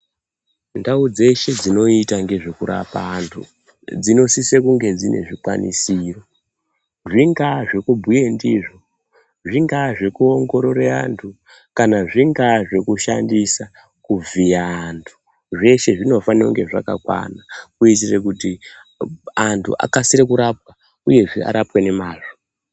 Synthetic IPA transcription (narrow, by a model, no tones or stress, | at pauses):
ndaud͡ze̞ʃe̞d͡zino̞itaŋɡe̞ʐe̞kuɾa̰paːntʰṵ | d͡zino̞sisekuŋɡe̞d͡zine̞̰ʐikwa̰nḭsiro̞ | ʐiŋɡaʐe̞kubʱue̞ndiʐo | ʐiŋɡaʐe̞kuoŋɡo̞ɾo̞ɾea̰ntʰu | kanaʐiŋɡaʐe̞kuʃa̰ndisa | kub͡vijaːntʰu̥ | ʐe̞ʃe̞ʐino̞fanioŋɡe̞ʐa̰ka̰kwa̰nakuitirek̬uti | antʰṵʔa̰kasiɾekuɾap̚wa | uje̞ʐia̰ɾapwe̞ne̞maːʐo̥